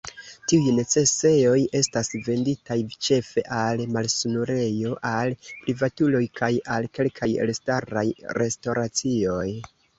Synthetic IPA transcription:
tiujne̞t͡se̞se̞o̞je̞stasve̞nditʰajt͡ʃe̞fe̞ʔalmalsunuɾe̞jo̞ʔalpɾivatulo̞jkʰajalke̞lkʰajḛlstaɾajɾe̞sto̞ɾat͡sio̞j

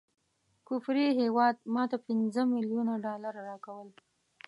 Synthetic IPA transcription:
kʊfɾiɦewɑd̪̚mɑt̪apɪnzəmɪljunaɖɑlaɾaɾɑkawəl

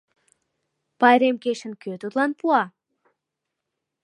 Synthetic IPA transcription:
pɑjɾemkeʃə̆nkøt̪ut̪lˠɑnpuɑ

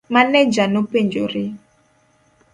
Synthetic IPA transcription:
manɛd͡ʒanopend͡ʒoɾɪ

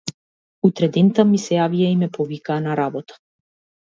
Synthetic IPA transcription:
ut̪ɾɛd̪ɛnt̪amisɛjaviaimɛpɔvikaːnaɾabɔt̪ḁ

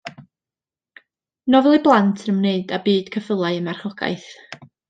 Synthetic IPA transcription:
nɔvɛlˠiblˠantʰənəmneɨdabiːd̥kʰəfəlˠaɨəmarχɔɡ̥a̰ɨθ

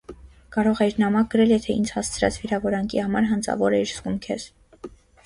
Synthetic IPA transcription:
kɑɾɔʁɛɾnɑmɑk̚ɡəɾɛljɛt̪ʰɛḭnd͡zhɑst͡sʰɾɑ̰t͡sviɾɑvɔɾɑŋkʰḭhɑmɑɾɦɑnt͡sʰɑ̰vɔɾɛiɾskumkʰɛɾ

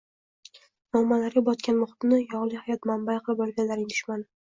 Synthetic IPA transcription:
nɒmːalaɾɡʲabɒt̪kʲanmʊχt̪nɪjɒʁlˠɪhajɒt̪mambajqʰɨlˠɪpɒlɡʲanlaɾɪlɪ̥ʃmanɪ

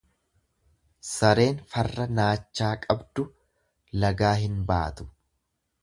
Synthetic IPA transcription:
sɐɾe̞ːnfɐrːɐnaːt͡ʃːaːkʼɐbd̪ʊ | lɐɡaːɦɪnbaːt̪ʊ̥

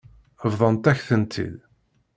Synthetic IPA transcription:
əvðˤɑnt̪æçθənt̪ʰḭl

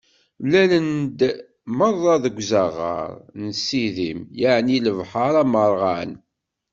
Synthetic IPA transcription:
lælənd̪ | məɾˤːɑðəɡʷzəʁə̰ɾˤnsiðimjaʕniləvħəɾˤɑməɾˤʁan

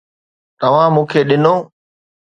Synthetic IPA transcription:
t̪ɐʋ̤ãːmũːkʰeːɗɪnoː

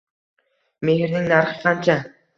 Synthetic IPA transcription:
me̞hɪɾnɪŋnaɾχɪqʰɑnt͡ʃʰa

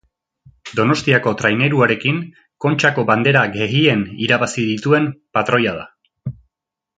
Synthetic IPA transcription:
d̪o̞no̞st̪iako̞t̪ɾajne̞ɾuaɾe̞kiŋ | ko̞nt͡ʃako̞βand̪e̞ɾaɡe̞ɣie̞niɾaβasiðit̪ue̞mpat̪ɾo̞jað̞a

